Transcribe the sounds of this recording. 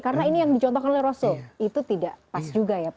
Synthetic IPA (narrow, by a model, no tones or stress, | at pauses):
kaɾənainijaŋdit͡ʃɔnt̪ɔhkanolɛhrosoit̪ut̪idaʔpasd͡ʒuɡaja